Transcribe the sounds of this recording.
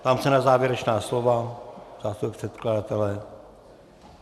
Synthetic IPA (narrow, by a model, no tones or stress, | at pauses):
t̪amsɛnazaːʋjeɾɛt͡ʃnaːsloʋazaːst̪ueprɛt̪kladat̪ɛlɛ